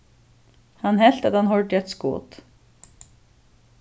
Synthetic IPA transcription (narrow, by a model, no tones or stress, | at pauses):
hanɦɛl̥t̪at̪hanɦɔɹt̪jɛt̪skɔ̰ːt̪